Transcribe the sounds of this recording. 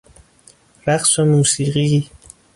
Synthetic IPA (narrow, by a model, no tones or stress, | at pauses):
ɾæqsomuːsiːɢi